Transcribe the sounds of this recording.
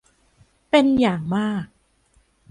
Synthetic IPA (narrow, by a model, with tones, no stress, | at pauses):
pe˧njaː˨˩ŋmaː˥˩k̚